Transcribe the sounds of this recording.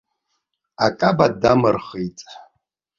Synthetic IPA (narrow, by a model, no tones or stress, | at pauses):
akʼabadamɨrχitʼ